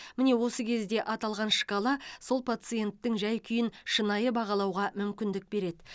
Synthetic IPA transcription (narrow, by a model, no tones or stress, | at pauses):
mɪne̞wo̞səkʲʰe̞zd̪e̞ʔɑt̪ɑlˠʁɑnʃə̥kɑlˠɑso̞lˠpʰat̪sɨje̞nt̪ːɪŋʒæjkʲʰʏjɪnʃənɑjəbɑʁɑlˠɑwʁɑmʏmkʲɪnd̪ɪk̚be̞ɾe̞d̪ɪ